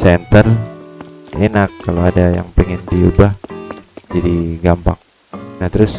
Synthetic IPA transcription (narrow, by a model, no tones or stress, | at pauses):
sɛnt̪ər | enakːaloadaja̰ŋpɛŋɪndiubah | d͡ʒadiɡampaŋ | naht̪əɾʊs